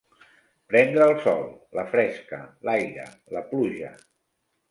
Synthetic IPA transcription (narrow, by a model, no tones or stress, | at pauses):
pɾɛnd̪ɾəːlˠsɔ̰lˠləfɾɛskəlajɾə̰ | ləpluʒə̰